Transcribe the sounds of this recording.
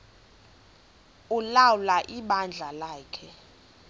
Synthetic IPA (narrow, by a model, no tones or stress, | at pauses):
ulawlaʔiɓand͡ɮʱalaːkʰɛ